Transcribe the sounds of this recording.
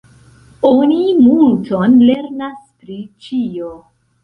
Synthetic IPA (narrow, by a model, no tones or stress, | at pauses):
onimultonle̞ɾnaspɾit͡ʃio